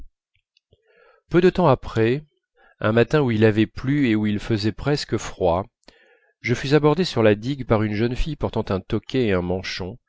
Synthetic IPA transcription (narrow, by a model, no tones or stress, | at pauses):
pød̪ət̪ɑ̃apχɛ | ɛ̃mat̪ɛ̃uilavɛplyeuilfəzɛpχɛskəfχwa | ʒəfyzabɔʁd̪esyʁlad̪iɡpaʁynʒənfijpɔʁt̪ɑ̃t̪ɛ̃t̪ɔkʲʰɛeɛ̃mɑ̃ʃɔ̃